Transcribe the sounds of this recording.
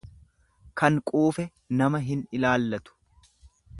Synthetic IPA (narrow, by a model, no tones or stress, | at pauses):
kɐŋkʼuːfɛ | nɐmɐɦɪnɪlaːlːɐt̪ʊ̥